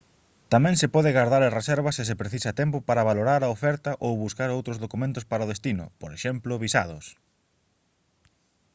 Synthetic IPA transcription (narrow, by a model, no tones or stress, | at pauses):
t̪amɛ̃ŋsepɔðɪɣaɾðaɾɐresɛɾβɐsɪs̬epɾeθisɐt̪ɛmpʊpaɾɐβ̞aloɾaɾaofɛɾt̪ɐʔowβuskaɾowt̪ɾʊzðokumẽnt̪ʊspaɾaoðest̪inʊ̰poɾeʃɛmplʊβisa̰ð̞ʊs